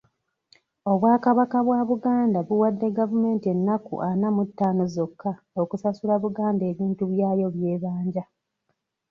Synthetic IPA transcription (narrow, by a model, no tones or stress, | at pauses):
o̞βwaːkaβakaβwaβuɡaːndaβuwadːe̞ɡavume̞ːntie̞nːakṵʔanamutːaːnozo̞kːa | okusasulaβuɡaːnde̞ːβiːntuβjaːjo̞βje̞ːβaːɲɟa